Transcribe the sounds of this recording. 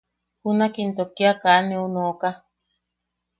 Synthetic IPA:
hunakint̪okiakanĩunoka

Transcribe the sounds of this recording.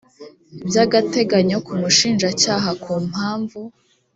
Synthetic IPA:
ibjaːɡate̞ɡaɲo̞kumuʃiːnʒacaːɦakʰuːm̥haːɱvu

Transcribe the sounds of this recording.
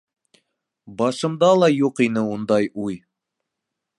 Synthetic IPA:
bɑʃɤ̆md̪ɑlˠɑjuqin̪ɘund̪ɑjʔuj

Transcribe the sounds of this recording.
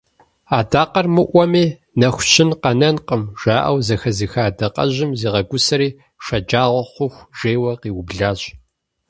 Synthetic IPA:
aːdaːqɐrmɨʔʷɔmiː | nɐxʷɕʰɪnqɐnɐnqəmʒ̥aːʔɐ̰wzɐxɐzixaːdɐqʼɐ̰ʑɪmziːʁɐɡʷʊsɐɾiː | ʂɐd͡ʒʼaːʁʷɔχʷʊxʷʒeːwɐqiːwʊbɮaːɕʼ

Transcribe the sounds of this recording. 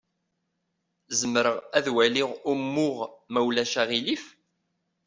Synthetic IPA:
zəmːəɾəʁæðwæliʁumːʊʁmæwlæʃæʁilif

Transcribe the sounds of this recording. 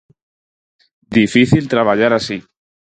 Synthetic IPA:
d̪ifiθilt̪ɾaβ̞aʎaɾasi

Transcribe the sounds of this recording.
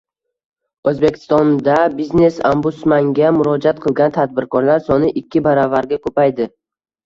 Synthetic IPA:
ɵzbe̞kʲʰɪ̥st̪ɒnd̪abizne̞sambʊt̪smaŋɡʲamʊɾɒd͡ʒat̪̚qʰɨlˠɡʲant̪ʰad̪̚bɪɾkʰɒɾlaɾsɒnɪʔɪkʲːɪbaɾɒvaɾɡʲakʰɵpajd̪ɪ

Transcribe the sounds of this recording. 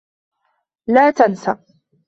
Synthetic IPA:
laːt̪ansa

